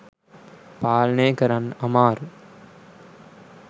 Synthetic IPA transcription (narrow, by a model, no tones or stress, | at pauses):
paːlɐneːkɐɾɐnɐmaːɾ